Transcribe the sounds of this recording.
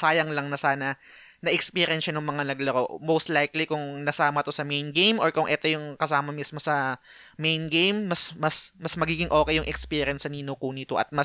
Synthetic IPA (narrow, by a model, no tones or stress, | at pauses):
saːjɐŋlɐŋnɐsaːnɐ | nɐʔɛkspiːɾɪɛnʃanʊŋmɐŋanɐɡlɐɾo̞ʔmowst̪lajklikʊŋnɐsaːmɐt̪o̞sɐmejnɡejmoɹkʊŋʔɛt̪o̞jʊŋkɐsaːmɐmismo̞sɐmejnɡejmːɐsmɐsmɐsmɐɡiːɡɪŋʔo̞ːkɛjːʊŋʔɛkspiːɾjɐnsɐninokuːnit̪oʔɐ̰t̪̚mɐ